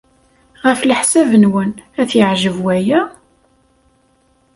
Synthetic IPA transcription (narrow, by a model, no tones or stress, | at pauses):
ʁəfləħsævənwənæθjəʕʒəvwæjæ